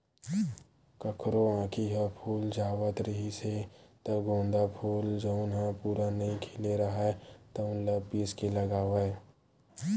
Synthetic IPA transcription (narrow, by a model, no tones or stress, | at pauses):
kəkɾoãːkʰiɦɛpʰuːld͡ʒaːʋət̪ɾəɦiset̪ɐɡʱõːnd̪apʰuːld͡ʒɐʊnɦapuːɾanɐɦĩkʰɪleɾɐɦaɛt̪ɐʊ̃ləpiskelɐɡaːʋəe